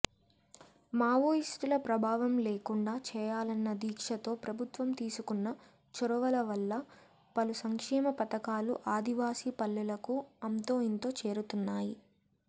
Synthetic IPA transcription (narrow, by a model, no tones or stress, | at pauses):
maːʋoːisʈulɐpɾɐbʱaːʋɐmleːkuɳɖaːt͡ʃɛːjaːlɐnːɐd̪iːkʂɐt̪o̞ːpɾɐbʱut̪ʋɐmt̪iːsukunːɐ | t͡ʃuɾɐʋɐlɐʋɐlːɐ | pɐlusɐŋkʂɛːmɐpɐt̪ɐkaːluʔaːd̪iʋaːsipɐlːɛlɐkuɐmt̪o̞ːjint̪o̞ːt͡ʃe̞ːɾut̪unːaːji